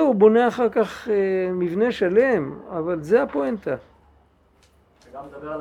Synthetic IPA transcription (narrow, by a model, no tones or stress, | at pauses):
ubo̞neaχaʁkaχemivne̞ʃale̞mavalzeapoent̪a